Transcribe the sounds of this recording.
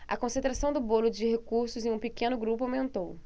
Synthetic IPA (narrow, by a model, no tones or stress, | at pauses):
ɐ̰kõsẽnt̪ɾasɐ̃w̃d̪ʊbolʊd͡ʒɪhekuɾsʊzẽj̃ũpikẽnʊɡɾupʊawmẽnt̪ow